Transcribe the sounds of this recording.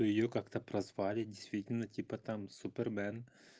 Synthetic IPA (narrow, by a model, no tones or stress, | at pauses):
ojɪjokakt̪ɐpɾɐzʋɑlʲɪdʲɪst̪ʋʲitʲɪlʲnɐtʲipɐt̪amsʊpʲɛrmɛn